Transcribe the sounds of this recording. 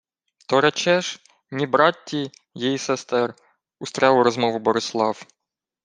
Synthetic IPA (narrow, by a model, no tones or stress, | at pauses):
t̪ɔɾɐt͡ʃɛʃ | nʲibɾɑtʲːi | jejisɛst̪ɛr | ʊst̪ɾʲɑwɾɔzmɔʋʊbɔɾɪslˠɑw